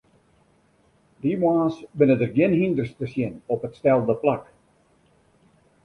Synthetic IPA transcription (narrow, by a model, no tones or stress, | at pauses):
dimwaːsʋɪnədərɡjɪnhindərstəsjɪnɔpətstɛlˠdəplak